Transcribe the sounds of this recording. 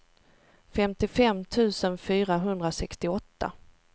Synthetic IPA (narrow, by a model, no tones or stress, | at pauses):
fɛmt̪ɪfɛmːt̪ʰʉ̟ːsənfyːɾaɦɵnd̪ɾasɛkst̪ɪɔt̪ːa̰